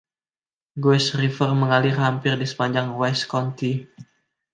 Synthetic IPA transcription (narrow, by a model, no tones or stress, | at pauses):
ɡwɛsrifərməŋalɪrːampɪrdisə̥paɲd͡ʒaŋwɛskɔnt̪i